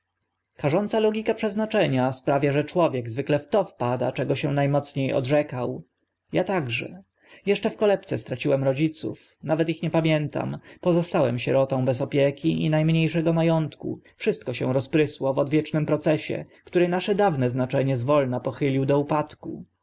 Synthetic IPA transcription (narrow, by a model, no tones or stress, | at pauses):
kaʐɔnt̪salɔɡʲikapʂɛznat͡ʂɛɲaspɾavʲjaʐɛt͡ʂwɔvʲjɛɡzvɘklɛft̪ɔfpad̪a̰t͡ʂɛɡɔɕɛ̃najmɔt̪sɲejɔ̰dʐɛkaw | jat̪aɡʐɛ̰ | jɛʂt͡ʂɛfkɔlɛpt̪sɛst̪ɾat͡ɕiwɛmɾɔd͡ʑit̪sṵf | navɛt̪ixɲɛpamʲjɛnt̪a̰mpɔzɔst̪awɛmɕɛɾɔt̪ɔ̃w̃bɛs̬ɔpʲjɛkʲiḭnajmɲejʂɛɡɔmajɔnt̪kṵfʂɘst̪̚kɔɕɛ̰̃w̃ɾɔspɾɘswɔvɔd̪vʲjɛt͡ʂnɘmpɾɔt̪sɛɕɛ̰ | kt̪uɾɛnaʂɛd̪avnɛznat͡ʂɛɲɛzvɔlnapɔxɘlʲiwd̪ɔupat̪ku